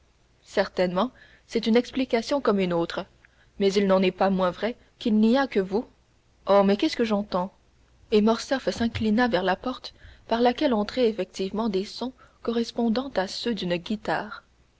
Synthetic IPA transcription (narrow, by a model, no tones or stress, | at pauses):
sɛʁt̪ɛnmɑ̃ | sɛt̪ynɛksplikasjɔ̃kɔmynoːt̪χə | mɛzilnɑ̃nɛpamwɛ̃vʁɛ | kʲilniakəvu | omɛkʲɛskəʒɑ̃t̪ɑ̃ | emɔʁsɛfsɛ̃klinavɛʁlapɔʁt̪paʁlakʲɛlɔ̃t̪χɛefɛk̚t̪ivmɑ̃d̪esɔ̃ | kɔʁɛspɔ̃d̪ɑ̃t̪asød̪ynɡʲit̪aːʁ